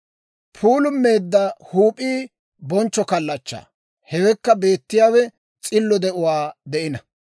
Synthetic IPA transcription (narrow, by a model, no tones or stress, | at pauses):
pʰuːlʊmːe̞ːd̪ːɐhuːpʼiː | bɔnt͡ʃːɔkɐlːɐt͡ʃːa̰ː | hɛwɛkːɐbe̞ːt̪ːɪjaːwɛ | t͡sʼɪlːɔd̪ɛʔʊwaːd̪ɛʔɪnɐ